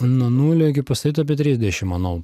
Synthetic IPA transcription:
nuɔnuːlʲoːɪɡʲɪpɐst̪ɐɾʲiːt̪ɐɐp̬ʲiɛt̪ʲɾʲiːzʲd̪ʲɛʃʲɪmɐnolˠ

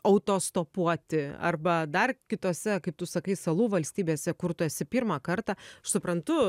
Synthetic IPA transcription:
ɐʊt̪oːst̪oːpuɔt̪ʲɪɐ̰rbɐd̪ɐrkʲɪt̪oːsʲɛkɐɪp̚t̪ʊsɐkɐɪsɐlˠuːʋɐlʲsʲt̪ʲiːbʲeːsʲɛkʊrt̪ʊɛsʲɪpʲiːɾmɑːkɐrt̪ɑːɐʃsʊpɾɐnt̪ʊ

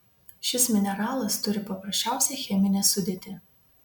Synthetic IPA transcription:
ʃʲɪsmʲɪnʲɛɾɑːlˠɐst̪ʊɾʲɪpɐpɾɐʃʲt͡ʃʲæˑʊsʲɛxʲɛmʲɪnʲɛsʊd̪ʲeːt̪ʲɪ

